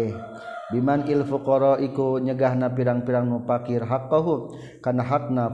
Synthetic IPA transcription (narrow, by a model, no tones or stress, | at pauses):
bimanilfukɔɾɔʔikuɲəɡaɦnapiɾaŋpiɾaŋnupakirɦakːɔɦu | kanaɦak̚na